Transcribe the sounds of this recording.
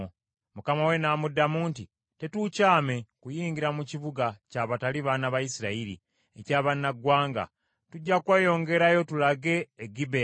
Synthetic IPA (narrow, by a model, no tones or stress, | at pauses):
mukamawe̞naːmudːamuːnti | te̞tucaːme̞kujiːɲɡiɾamuciβuɡacaβataliβanaβajisiɾaiɾḭ | ḛcaːβanːaɡwaːŋɡa̰ | tuɟːakweːjo̞ːŋɡe̞ɾajo̞tulaɡe̞ːɡibe